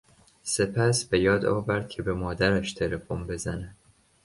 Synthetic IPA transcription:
se̞pʰæsbe̞jɒːd̪ɒ̰ːvæɾd̪̥̚cʰe̞be̞mɒːd̪æɾæʃt̪ʰe̞le̞fonbe̞zænæ

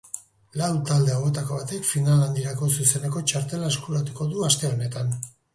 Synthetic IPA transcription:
lawt̪ald̪e̞aɣe̞t̪ako̞β̞at̪e̞kfinaland̪iɾako̞s̬use̞ne̞ko̞t͡ʃaɾt̪e̞laeskulat̪u̥ko̞ðuast̪e̞o̞ne̞t̪an

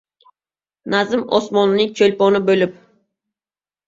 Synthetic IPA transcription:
nazɪmɒ̰smɒnnɪŋʲt͡ʃʰolʲpɒnɪbɵlɪp̚

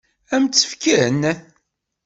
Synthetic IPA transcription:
æmt͡sːə̥fkæn

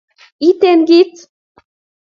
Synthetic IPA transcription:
it̪enɡit͡s

